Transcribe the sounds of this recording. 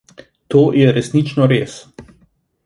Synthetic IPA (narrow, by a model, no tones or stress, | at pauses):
t̪oːjɛɾɛsnit͡ʃnɔɾeːs